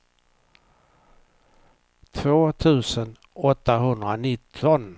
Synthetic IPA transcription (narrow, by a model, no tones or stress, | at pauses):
t̪ʰvoːt̪ʰʉ̟ːsən | ɔt̪ːaɦɵnd̪ɾanɪt̪ʰːɔn